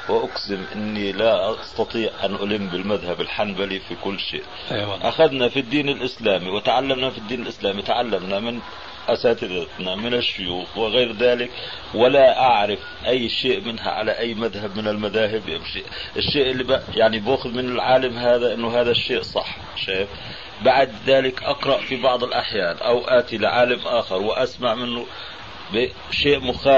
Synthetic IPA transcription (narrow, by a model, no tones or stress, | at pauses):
wɪʔaksɪmʔɪ̰nːilaʔɑɑst̪ɑt̪ˤiːʕʔanʔʊlɪmːbɪlmaðhabɪlħanbalifikʊlːʃḛːʔ | aʔa̰xaðnafid̪ːiːnɪlʔɪslaːmiwɪt̪aʕalːamnafid̪ːiːnɪlʔɪslaːmit̪aʕalːamnamɪn | ʔasaːt̪ɪd̪at̪namɪnaʃːʊjuːxwɪɣeːɾðaːlɪk | wɪlaʔaʕɾɪf | ʔajːʃeːʔmɪnɦa̰ʕa̰laʔajːmaðhabmɪnɪlmaðaːɦɪbʔa̰mʃiːʔʔɪʃːeːʔɪlːibajaʕniboːxʊðmɪnɪlʕaːlamɦaːðaʔɪnːʊɦaːðaʃːeːʔsˤɑħ | ʃaːjɪf | baʕad̪ðaːlɪkʔɑqɾˤɑʔfibɑʕd̪ˤɪlʔaħjaːnʔawʔaːt̪ilɪʕaːlamʔaːxɪɾˤwɪʔasmaʕmɪnːʊ | bɪ | ʃeːʔmʊxaː